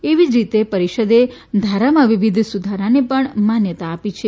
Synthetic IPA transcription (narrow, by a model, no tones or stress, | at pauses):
eʋid͡ʒɾit̪epəɾiʃəd̪ed̪ʱaɾamãʋiʋid̪ʱsud̪ʱaɾanepəɳmanjət̪aːpit͡ʃʰe